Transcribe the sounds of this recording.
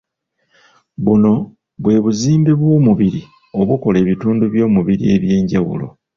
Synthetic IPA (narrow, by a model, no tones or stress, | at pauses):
βuno̞ | βwe̞ːβuziːmbeβwo̞ːmuβiɾi | o̞βuko̞le̞ːβituːnduβjo̞ːmuβiɾie̞βje̞ːɲɟawṵlo̞̰